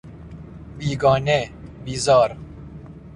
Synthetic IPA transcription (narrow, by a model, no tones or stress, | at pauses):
biːɡɑːnebiːzɑːɾ